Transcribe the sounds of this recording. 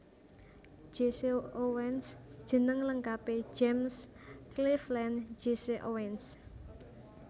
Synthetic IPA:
d͡ʒ̥eseowɛnsd̥ʒ̥ə̤nəŋləŋkape̥d͡ʒɛms | kliflɛn̥d͡ʒ̥eseʔowɛns

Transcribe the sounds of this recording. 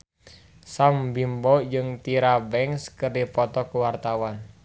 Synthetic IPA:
sambimbɔd͡ʒɨŋt̪iɾabɛŋskərdipɔt̪ɔkuwart̪awan

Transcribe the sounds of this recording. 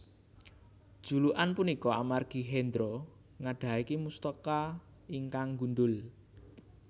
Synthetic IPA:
d̥ʒ̥ṳluʔanpunikɔamarɡ̥i̤ɦɛnd̪ɾɔ | ŋaɖ̪̥a̤ikimust̪ɔka | iŋkaŋɡunɖ̪ʊl

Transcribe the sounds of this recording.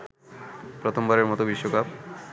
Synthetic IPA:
pɾʌt̪ʰombʌɾeɾmɔt̪obiʃwokap

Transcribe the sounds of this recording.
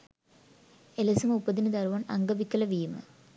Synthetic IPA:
elɐsɐmupːɐd̪inɨd̪ɐɾʋanɐ̰ŋɡɐbikːɐlɐʋijmɐ̰

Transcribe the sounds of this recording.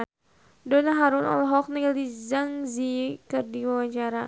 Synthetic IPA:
dɔnaɦaɾʊnɔ̰lɔɦɔk̚niɡalizaŋzikɨrdiwawaɲt͡ʃaɾa

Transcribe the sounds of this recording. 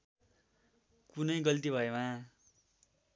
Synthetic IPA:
kunʌjɡʌlt̪ibʱʌema

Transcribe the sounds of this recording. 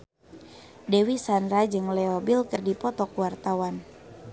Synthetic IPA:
dɛwisanɾad͡ʒɨŋlɛobilkɨrdipɔt̪ɔkuwart̪awan

